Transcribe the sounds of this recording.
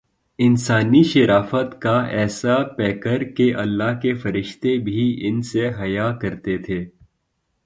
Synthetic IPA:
ɪnsaːniʃɐɾaːfət̪kaɛːsapɛːkəɾkeʔɐlːaːɦkefɐɾɪʃt̪ebʱiɪnseɦɐjakɐɾt̪et̪ʰeː

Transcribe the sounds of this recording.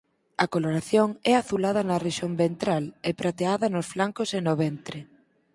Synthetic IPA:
ɐkoloɾaθjoŋɛaθulaðɐnɐreʃombent̪ɾalɛpɾat̪eaðɐnʊsflaŋkosenoβɛnt̪ɾɪ

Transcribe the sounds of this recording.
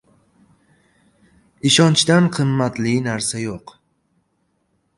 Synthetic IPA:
iʃɒnt͡ʃd̪anqʰɨmːat̪liɪnaɾsajoq

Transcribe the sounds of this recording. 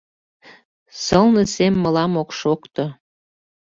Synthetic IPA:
səlnəsemːəlɑmokʃokt̪o

